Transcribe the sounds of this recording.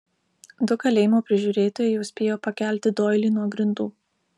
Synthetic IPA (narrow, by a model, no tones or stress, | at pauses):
d̪ʊkɐlʲeːjɪmoːpʲɾʲɪʒʲuːɾʲeːt̪oːjɛɪjɛʊsʲpʲeːjoːpɐkʲæˑlʲt̪ʲɪd̪oːɪlʲiːnuɔɡɾʲɪnd̪uː